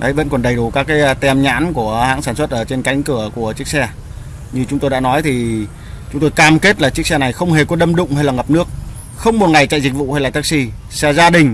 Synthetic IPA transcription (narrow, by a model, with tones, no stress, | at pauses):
ɗə˨˦jvə̰˧˥nkɔ˨˩nɗə˨˩jɗu˨˩kaː˦˥kːaː˨˦jt̪ɛ˧˩mɲa̰ː˧˥nku˧˩əha̰ː˧˥ŋsaː˧˩nswə˦˥t̚ʔəː˧˩t͡ɕe˧nka˨˦jŋ̟kɨ˧˩əku˧˩ət͡ɕɨ˦˥ək̚sɛ˧ | ɲɨ˧t͡ɕʊ˨˦ŋ͡mt̪o˧jɗa̰ː˧˥nɔ˨˦jt̪ʰi˨˩ | t͡ɕʊ˨˦ŋ͡mt̪o˧jkaː˧mke˦˥t̚laː˨˩t͡ɕɨ˦˥k̚sɛ˧na˨˩jxə˧wŋ͡mɦe˨˩kɔ˧˦ɗə˧mɗʊ̰˧˨ŋ͡mhə˧jlaː˨˩ŋə˨˩p̚nɨ˦˥ək̚ | xə˧wŋ͡mmo˨˩t̚ŋa˨˩jt͡ɕa̰ː˧˨jzi˨˩k̟̚vṵ˧˨ha˧jlaː˨˩t̪ʰːk̚si˧ | sɛ˧zaː˧ɗï˨˩ŋ̟